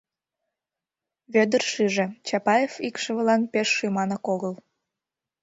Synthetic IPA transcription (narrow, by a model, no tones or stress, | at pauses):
βød̪ərʃiʒĕt͡ɕɑpɑjefikʃə̆βəlɑnpeʃːymɑnəkoɣəl